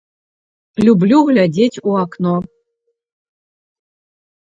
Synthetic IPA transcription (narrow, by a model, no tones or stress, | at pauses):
lʲublʲuɣlʲadʲetʰʲuakʰno